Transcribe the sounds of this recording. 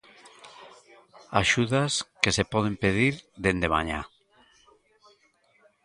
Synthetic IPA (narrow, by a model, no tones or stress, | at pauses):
aʃuðaskesepɔð̞empeðiɾd̪end̪ema̰ɲa̰